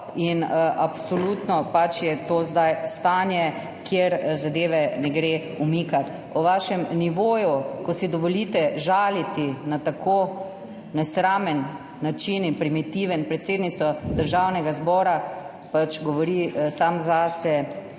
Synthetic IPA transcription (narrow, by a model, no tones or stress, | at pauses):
inʔapsɔlut̪nɔpat͡ʃjɛt̪oːzd̪ajst̪aːnjɛ | kjeɾzad̪eːʋɛnɛɡɾe | umikat̪ | ɔʋaːʃɛmniʋoːjukɔsid̪ɔʋɔlit̪ɛʒaːlit̪inat̪akʰoː | nɛsɾaːmɛnː | at͡ʃininpɾimit̪iʋənpɾɛt̪seːd̪nit̪sɔd̪əɾʒaːwnɛɡazbɔːɾa | pat͡ʃɡɔʋɔɾisamzaːsɛ